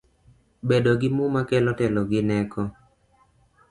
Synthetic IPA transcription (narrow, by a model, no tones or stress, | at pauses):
bedɔɡɪmumakɛlɔtɛlɔɡɪnɛkɔ